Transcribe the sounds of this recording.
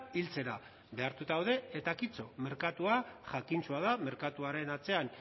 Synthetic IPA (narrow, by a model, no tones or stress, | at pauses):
ilt͡se̞ɾa | be̞aɾt̪ut̪awðe̞et̪akit͡so̞me̞ɾkat̪uaʝakint͡suaðame̞ɾkat̪uaɾe̞nat͡se̞an